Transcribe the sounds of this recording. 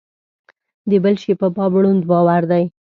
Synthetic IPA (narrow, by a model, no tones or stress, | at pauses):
d̪əbəlʃepəpɑbɽund̪bɑwaɾd̪aj